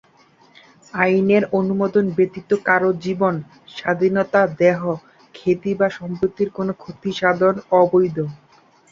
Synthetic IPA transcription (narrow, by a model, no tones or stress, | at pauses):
ajneɾonumod̪onbet̪it̪ːokaɾod͡ʑibon | ʃad̪ʱinot̪ad̪ɛɦo | kʰet̪ibaʃɔmpɾot̪ːiɾkonokʰot̪iʃad̪ʱonɔbojd̪ʱo